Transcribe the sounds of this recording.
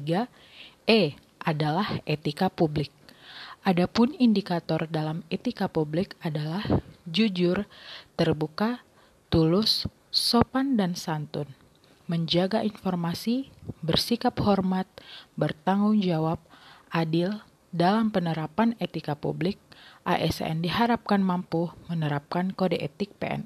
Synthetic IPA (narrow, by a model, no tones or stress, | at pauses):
ɡa | ɛ | ʔadalahet̪ikapublɪk̚ʔadapʊnindikat̪ɔrdalamet̪ikapublɪkadalahd͡ʒud͡ʒʊrt̪ərbuka | t̪ulʊsː | opandansant̪ʊn | məɲd͡ʒaɡaʔinfɔrmasibərsikaphɔrmat̪̚bərt̪aŋɡʊŋd͡ʒawap̚ʔadɪl | dalampənəɾapanet̪ikapṵblɪk̚ʔa̰ʔɛ̰sɛ̰ndiɦaɾap̚kanmampumənəɾap̚kankodeʔet̪ɪk̚pḛʔɛ̰n